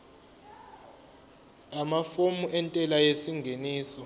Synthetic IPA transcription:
amafomuʔɛntʼɛlajesiŋɡʱeniːsɔ

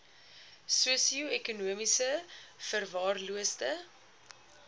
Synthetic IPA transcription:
suəsiuɛkunuəmisəfərvɑːrluəstə

